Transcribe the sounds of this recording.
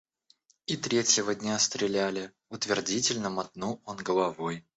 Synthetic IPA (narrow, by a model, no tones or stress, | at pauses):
it̪ɾʲetʲjɪvədʲnʲast̪ɾʲɪlʲælʲɪ | ʊt̪vʲɪrdʲitʲɪlʲnəmɐt̪̚nuonɡəlˠɐvoj